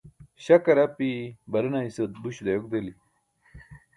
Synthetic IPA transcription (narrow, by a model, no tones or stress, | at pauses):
ɕɐkɐɾɐpibɐɾinaisɐt̪̚buɕd̪ɐjok̚d̪eli